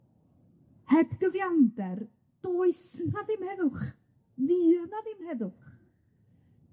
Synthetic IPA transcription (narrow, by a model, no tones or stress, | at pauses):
hɛb̥ɡ̥əvjandɛr | d̥oːɨsnaðɪmhɛðʊχ | ðɨːnaðɪmhɛðʊχ